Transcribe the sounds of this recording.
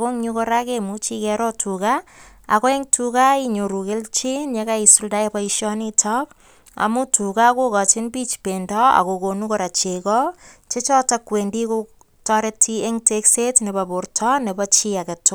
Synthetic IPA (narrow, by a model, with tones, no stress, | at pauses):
ako˦ŋɲu˦ko˦ɾa˦ke˦mu˦t͡ʃi˦kɛɾɔ˦tʰuka˦a̰˨ko˦e˦ŋtʰukai˦ɲo˨ɾu˨ke˦lt͡ʃi˦nɲeka˦isu˦lda˦ebɔ˦iʃɔ˦nitʰɔk̚ | a̰˨mu˦tʰu˨ka˦ko˦ka˨t͡ʃɪ˦nbi˦t͡ʃpendɔa̰˨ko˨ko˨nu˦kɔ˦ɾa˨t͡ʃe˨kɔ˦t͡ʃe˦t͡ʃɔ˦takwe˨ndi˦ku | tɔɾe˦tʰie˦ŋte˦kse˦tne˨ba˨bo˨rtʰɔ˦ne˨bɔt͡ʃi˦a˨ke˨tʊ˦